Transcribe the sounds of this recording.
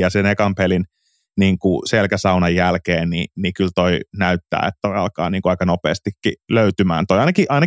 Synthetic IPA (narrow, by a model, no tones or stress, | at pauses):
jɑsenekɑmpelin | niːŋkuselkæsɑunɑjːælkeːnnḭnikylt̪oinæyt̪ːæ̰ːḛt̪t̪oiɑlkɑ̰ːniːŋkuɑikɑnopḛːst̪ikːiløyt̪ymæ̰ːnt̪oiɑinɑkiʔɑinɑ